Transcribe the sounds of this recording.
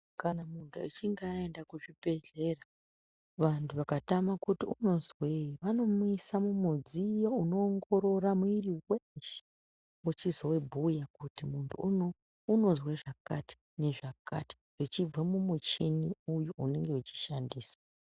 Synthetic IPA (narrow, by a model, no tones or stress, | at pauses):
kanamuntʰuḭt͡ʃiŋɡaendakuʐibʱe̞ɮe̞ra | ʋantʰuʋakatamakutiuno̞zweiʋano̞muisamumud͡zijouno̞ːŋɡo̞ɾo̞ɾamwiriwent͡ʃe̥ | ut͡ʃizowebʱujakutimuntʰṵ | uno̞zweʐakati̥ | ne̞ʐaka̰ti̥ | ʐ̥it͡ʃib͡vwemumut͡ʃiniujuʔune̞ŋɡe̞ut͡ʃi̥ʃandiːswḁa